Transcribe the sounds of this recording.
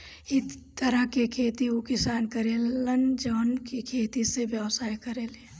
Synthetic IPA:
ɪt̪əɾəɦkekʰeːt̪iokɪsaːnkəɾeːlənd͡ʒɔːnkikʰeːt̪iseʋjəʋsaːjkəɾeːle

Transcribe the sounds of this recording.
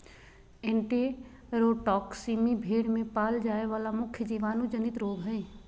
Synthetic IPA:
ɪ̃ɳʈe | ɾoːʈɔːksiːmibʱeːɽmẽpaːld͡ʒaːeʋaːlamʊkʰjd͡ʒiʋaːnũd͡ʒənɪt̪ɾoːɡʱɦəi

